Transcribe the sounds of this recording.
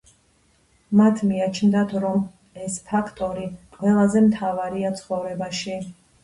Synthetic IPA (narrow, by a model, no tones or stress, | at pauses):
mat̪ʰmiat͡ʃʰnd̪at̪ʰɾɔm | ɛspʰakʰt̪ʼɔɾiqʼwɛlˠazɛmt̪ʰavaɾiat̪sʰχɔvɾɛbaʃi